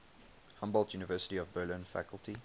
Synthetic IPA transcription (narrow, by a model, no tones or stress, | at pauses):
hʌ̃mbɔlˠdjuːnəvɜːˑsə̥tiɔvbɜːlɪ̃nfæ̰kəlˠti